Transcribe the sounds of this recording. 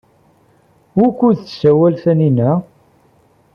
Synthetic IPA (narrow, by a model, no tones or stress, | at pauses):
wukʷːuðθsæwælθæninæ